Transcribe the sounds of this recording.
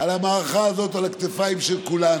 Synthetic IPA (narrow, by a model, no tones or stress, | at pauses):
alamaːʁaχaːzo̞talhakt̪efaimʃelkulan